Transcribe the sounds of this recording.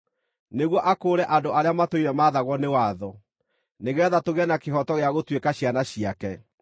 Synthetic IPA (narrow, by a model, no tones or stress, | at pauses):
neɣwɔʔakoːɾɛʔandoʔaɾeamatoiɾɛmaðaɣwɔnewaðɔ | neɣɛðatoɣɛnakeɦɔtɔɣeaɣotwekaɕianaɕiakɛ